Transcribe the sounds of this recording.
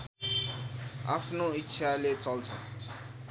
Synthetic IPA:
a̰pʰnoitːsʰalet͡sʌlt͡sʰʌ̰̃

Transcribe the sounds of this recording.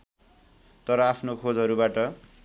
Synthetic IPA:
t̪ʌɾʌapʰnokʰod͡zɦʌɾubaʈʌ

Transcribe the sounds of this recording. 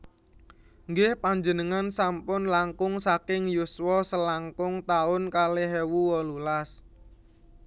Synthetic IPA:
ŋɡɪhpaɲd͡ʒənəŋansampʊnlaŋkʊŋsakɪŋjuswɔsəlaŋkʊŋt̪aʊnkaleɦewuwɔlulas

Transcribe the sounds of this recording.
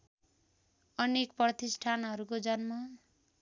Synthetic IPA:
ʌnekprʌt̪isʈʰanɦʌɾukod͡zʌnmʌ

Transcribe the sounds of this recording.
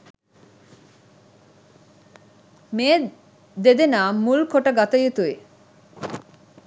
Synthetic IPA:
meː | d̪ed̪enaːmːulkʰoʈaɡat̪ajot̪ue

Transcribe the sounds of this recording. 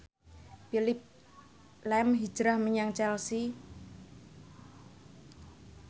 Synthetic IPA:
pilɪp̚ | lɛmɦi̥d͡ʒ̥ɾahməɲaŋt͡ʃɛlsi

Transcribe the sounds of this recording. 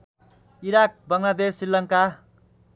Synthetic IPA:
iɾak̚bʌŋlad̪esːilːʌŋka

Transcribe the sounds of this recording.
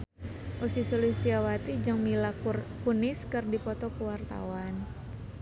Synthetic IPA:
ʔusisulist̪iawat̪id͡ʒɨŋmilakunɪskɨrdipɔt̪ɔkəwart̪a̰wan

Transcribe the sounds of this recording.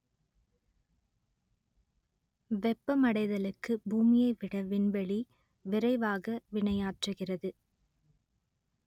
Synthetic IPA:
ʋɛpːɐmɐɽɐɪðɐlɯkːɯbuːmɪjɐɪʋɪɽɐʋɪnbɐɭi | ʋɪɾɐɪʋaːɣɐʋɪɳɐjaːʈrɯɣɪrɐðɯ

